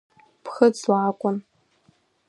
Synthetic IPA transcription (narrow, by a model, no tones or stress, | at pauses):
pʰχət͡sʼwaːkʷʼʊn